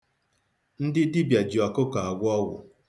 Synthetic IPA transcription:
n̩˦dɪ˦dɪ˦bja˨d͡ʒi˨a˨kʊ˦ka˨a˨ɡʷɔ˦wʊ̰˨

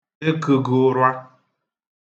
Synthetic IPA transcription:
e˦kɨ˨ɡo˨ɾwa˦

